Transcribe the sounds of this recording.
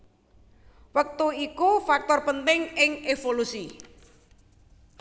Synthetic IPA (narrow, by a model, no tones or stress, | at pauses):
wək̚t̪uikufak̚t̪ɔrpənt̪ɪŋɪŋefolusi